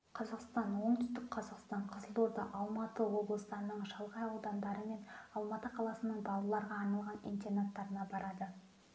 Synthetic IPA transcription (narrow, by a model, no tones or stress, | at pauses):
qʰɑzɑqst̪ɑnwo̞ɴdt̪ʏ̥st̪ɪk̚qʰɑzɑqst̪ɑɴqʰəzəlˠuɾd̪ɑʔɑlˠmɑt̪əwo̞blˠəsd̪ɑɾənəɴʒɑlˠʁɑjɑwd̪ɑnd̪ɑɾəme̞nɑlˠmɑt̪əqʰɑlˠɑsənəɴbɑlˠɑlˠɑɾʁɑːɾnɑlˠʁɑnḭjnt̪eɾnat̪ːɑɾənɑbɑɾɑd̪ə